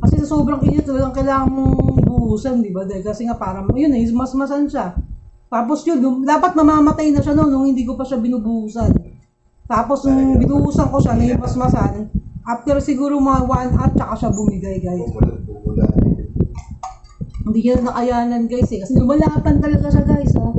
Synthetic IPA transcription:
kɐsɛsɐsoːbɾɐŋʔɪnɐt̪ɐlɐɡaŋkɐjlaːŋɐnmoŋʊbʊʔuːsɐnd̪ɪbad̪ɛlkɐsɛŋapaːɾɐmjʊnːɐjɪmɐsmɐsanʃat̪aːposjʊnlʊmd̪aːpɐt̪̚nɐmaːmɐt̪ajnɐʃanonːʊŋhɪnd̪iːk̬o̞pɐʃabɪnʊbuːsɐn | t̪aːpo̞snʊʊŋbɪnʊʔuːsɐŋko̞ʃanɐjʊŋmɐsmɐsanʔaft̪ɛɾsɪɡuːɾomɐŋawanʔat̪̚t͡ʃɐkaʃabʊmɪɡajɡajs | a | hɪnd̪iːɲɐnnɐʔɐjaːnɐnkajsɛkɐsɛlʊmɐlaːpɐnt̪ɐlɐɡaʃaɡajso

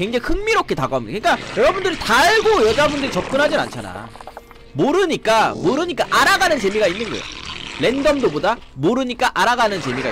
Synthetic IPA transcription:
eŋd͡ʑaŋihɯŋmiɾok̚k͈ʰetaɡoɦamidakɯɲik͈ajʌɾʌbundɯɾitaɭɡojʌd͡ʑabundɯɾit͡ɕʌp̚k͈ɯnɦad͡ʑina̰nt͡ɕʰana̰ | moɾɯɲik͈amoɾɯɲik͈aʔaɾaɡanɯnt͡ɕe̞miɡainːɯnɡʌ̰ḛjole̞ndʌmdobodamoɾɯɲik͈aʔaɾaɡanɯnt͡ɕe̞miɡa

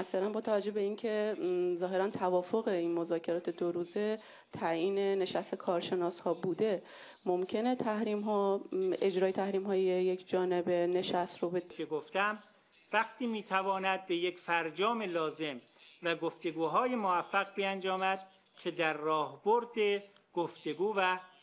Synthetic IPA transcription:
ʔæsæɾænbɒːt̪ʰævæd͡ʒːo̞hbe̞iːncʰe̞zɒːɦe̞ɾænt̪ʰævɒːfoɣe̞iːnmo̞zɒːcʰe̞ɾɒːt̪ʰe̞d̪oɾuːze̞ | t̪ʰæjiːne̞ne̞ʃæst̪e̞kʰɒːɾʃe̞nɒːshɒːbuːd̪e̞ | mo̞mcʰe̞net̪ʰæhɾiːmɦɒːe̞d͡ʒɾɒːjet̪ʰæhɾiːmɦɒːjejekʰd͡ʒɒːne̞be̞ne̞ʃæst̪ɾobekʰeɡoft̪æm | væɡt̪ʰiːmiːt̪ʰævɒːnæd̪̚bejecfæɾd͡ʒɒːmelɒːze̞m | væɡoft̪e̞ɡuːɦɒːjemovæfːæɣbiænd͡ʒɒːmæd̪̥̚ | cʲʰe̞d̪æɾːɒːhboɾd̪eɡ̥oft̪e̞ɡuːvæ

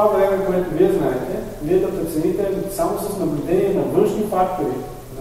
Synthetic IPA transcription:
avɾɛmɛkoɛt̪ʊviɛznaɛt̪ɛ | viɛd̪ɐpɾɛt̪sɛnit̪ɛsamosɐsnɐblʲʊd̪ɛniɛnɐvɤnʃnifakt̪ʊɾi | z

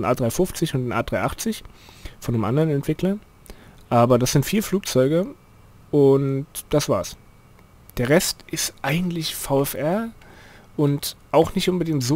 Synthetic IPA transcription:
nʔaːdʁaɪfʊft͡sɪçʊntnʔa̰ːd̥ʁaɪʔaχt͡sɪçfɔndəmʔa̰ndəʁənɛntv̥ɪklɐ | ʔaːbɐdasz̥ɪntfiːɐfluːk̚t͡sɔʏɡə | ʔʊntd̥asv̥a̰ːs | d̥eːɐʁɛstʔɪstʔaɪɡŋ̩tlɪçfaʊɛfʔɛɐ | ʔʊntʔaʊxnɪçtʔʊnbədɪŋtz̥o

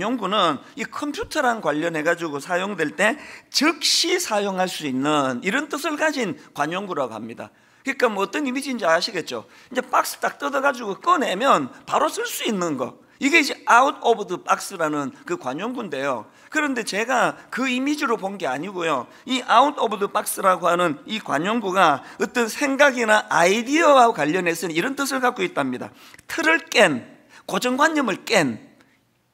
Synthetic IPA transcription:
oŋɡunɯn | ikʰʌmpʰjutʰʌɾankwaʎːʌnɦe̞ɡad͡ʑiɡosʰajoŋdwe̞ɭt͈e̞t͡ɕɯk̚ɕ͈isʰajoŋɦaɭs͈uinːɯniɾʌnt͈ɯsʰɯɭkad͡ʑinkwaɲoŋɡuɾaɡoɦa̰mɲida̰ | kɯɲik͈amʌt͈ʌnimid͡ʑind͡ʑiaɕʰiɡe̞t̚t͡ɕ͈o̰ | ind͡ʑe̞p͈ak̚s͈ɯ̥t͈ak̚t͈ʌdʌɡad͡ʑuɡok͈ɯne̞mjʌnpaɾos͈ʰɯɭs͈uinːɯnɡʌ̰ | iɡe̞id͡ʑe̞audʰʌbɯdɯp͈ʼak̚s͈ɯɾanɯnkɯkwaɲoŋɡunde̞jo̰ | kɯɾʌnde̞t͡ɕe̞ɡakɯimid͡ʑiɾopoŋɡe̞aɲiɡojo | iʔaudobɯdɯp͈ak̚s͈ɯɾaɡohanɯnikwa̰ɲoŋɡuɡaʌt͈ʌnsʰe̞ŋɡaɡinaʔaidiʌwakwaʎːʌnɦe̞s͈ɯnniɾʌnt͈ɯsʰɯɭkak͈̚oit̚t͈amɲida̰ | tʰɯɾɯɭk͈en | kod͡ʑʌŋɡwaɲːʌmɯɭk͈e̞n

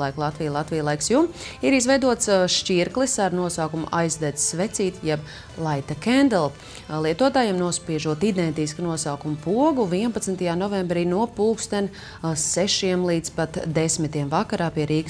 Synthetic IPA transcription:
lˠajklˠat̪vʋijlˠat̪ʋijlˠajksjumiɾizvɛjd̪uɔt̪sʃciɾklˠisaɾnuɔsaːkumṵʔajzd̪ɛsvɛt̪siːt̪jɛb | lˠajt̪akʲɛnd̪ɛlˠ | lˠiɛt̪uɔt̪aːjemnuɔspiɛʒuɔt̪id̪ɛnt̪isknuɔsaːkumpuɔɡuviɛnpat̪snt̪ajaːnɔvɛmbɾiːnuɔpuːlkst̪ɛn | sɛʃiɛmlˠiːd̪z̥pat̪d̪esmit̪iɛmvakaɾaːpiɛɾiːk

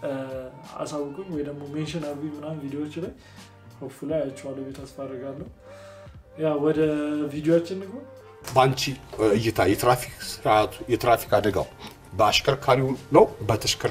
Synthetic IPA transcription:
a̰sawːʊkʼɨnwɔjd̪əɡmomenʃɪnaɾimːɨnahunvid̪ijoot͡ʃːlaj | həfulajat͡ʃːɛwalːəbet̪ʰasfad̪ɾəɡalːəhu | jawwɔd̪əvid̪ijoat͡ʃːɪnːiɦon | bant͡ʃiɨjːɪt̪ʰajɛt̪ɾafiksat̪jɛt̪ɾafi̥kad̪əɡa̰w | bəaʃkʰəɾkʰaɾiləwbət̪ʰəʃkʰə

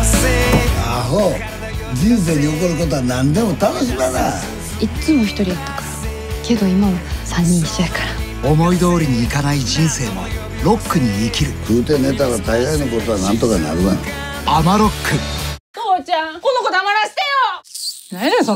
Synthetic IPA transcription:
aɦo | d͡ʑĩɰ̃s̬e̞ːɲ̟io̞koɾɯ̟ko̞t̪̬o̞anãnd̪e̞mo̞t̪anoɕ̬imana | it͡sɨmo̞çi̥t̪o̞ɾʲijat̪ːḁkḁɾ | ke̞d̪o̞imasãɲ̟ːĩɕiḁkaɾa | o̞mo̞id̪o̞ːɾʲiɲ̟iːkanaid͡ʑĩɰ̃se̞ːmo̰ | ɾo̞kːɯ̟ɲ̟iːkʲiɾɯ̟kɯːt̪e̞ne̞t̪̬aɡat̪aid̪anako̞t̪oβanãnt̪o̞kana̰ɾɯaɲiamaɾo̞kːɯd̪oːt͡ɕãkonːokot̪oamaɾaɕi̥t̪ejonanes

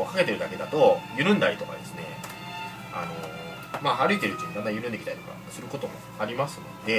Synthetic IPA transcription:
okake̞t̪e̞ɾɯ̟d̪ake̞d̪at̪o̞jɯ̟ɾɯ̟̃nd̪aɾit̪o̞ka̰d̪e̞sɨne̞̰ | a̰no̞ | maːɦaɾɯ̟it̪e̞ɾɯ̟t̪ːinãnajɯ̟ɾɯ̃nd̪ekit̪a̰it̪oka̰sɨɾɯ̟ko̞t̪o̞mo̞̰ | aɾʲimasɨmo̞̰d̪e̞

